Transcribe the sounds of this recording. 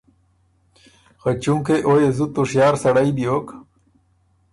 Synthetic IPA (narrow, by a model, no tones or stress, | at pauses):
xat͡ɕuŋkeʔojezut̪uʂjɑːɾsɐɽajbioːk